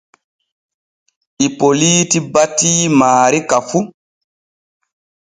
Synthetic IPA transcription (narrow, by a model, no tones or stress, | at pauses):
ʔipoliːtibatːiːmaːɾikafu